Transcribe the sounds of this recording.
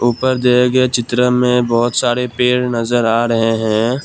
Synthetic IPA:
uːpəɾd̪eeɡəet͡ʃɪt̪ɾəmẽbɔɦʊt̪saːɾepeːɾnɐzəɾaːɾɐɦeɦɛ̃ː

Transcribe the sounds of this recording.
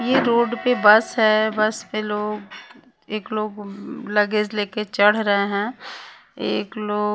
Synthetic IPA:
jeɾoːɖpebɐsɦɛbɐspeloːɡ | eːkloːɡlɐɡed͡ʒleːket͡ʃɐɽ̤ɾəɦeɦɛ̃ː | eːkloː

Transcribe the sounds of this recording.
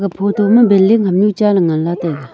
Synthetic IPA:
kəpʰot̪ʰoməmbelːiŋ̥əp̚ɲut͡ɕalaŋanlat̪ek

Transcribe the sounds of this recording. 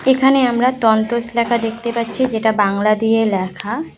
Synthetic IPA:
ekʰaneamɾat̪ɔnt̪oselakad̪ek̚ʰt̪epatːɕʰid͡ʑeʈabaŋlad̪ijelɛkʰa

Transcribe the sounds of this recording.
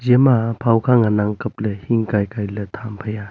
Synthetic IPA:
zemapʰawkʰaŋanaŋkəp̚lehiŋkajkajlətʰampʰəja

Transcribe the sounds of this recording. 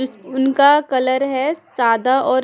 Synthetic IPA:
ʊnkakɐləɾɦɛz̥aːd̪aʔɔːɾ

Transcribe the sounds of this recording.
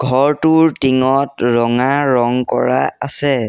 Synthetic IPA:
ɡʱɔɹtuɹtiŋɔtɹɔŋaɹɔŋkɔ̰ɹa̰asɛ

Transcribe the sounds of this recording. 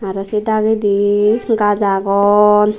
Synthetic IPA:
aɾɔsidaɡid̪iɡazaɡɔn

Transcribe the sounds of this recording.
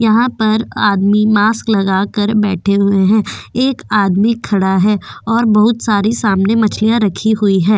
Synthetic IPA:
jɐɦãpɐɾa̰ːd̪mimaːsklɐɡaːkəɾbɛːʈʰeɦʊeɦɛ̃ːeːkaːd̪mikʰːɐɽaɦɛːɔːɾbɐɦʊt̪saːɾisaːmnemɐt͡ʃʰlijaɾɐkʰiɦʊiɦɛ̃ː

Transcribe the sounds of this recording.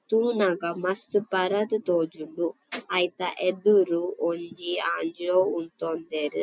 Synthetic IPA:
t̪uːnaɡamɐst̪ɨpɐɾɐt̪ɨt̪oːd͡ʒulu | ɐjt̪aʔed̪uɾuoɲd͡ʒiaːɲd͡ʒoːunt̪ond̪eɾ

